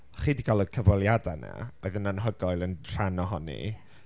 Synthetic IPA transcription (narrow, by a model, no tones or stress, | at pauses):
χiːdiɡalˠəkʰəvɔlˠjadana̰ɔɨðənanɦəɡɔjlˠənr̥anɔɦɔnḭ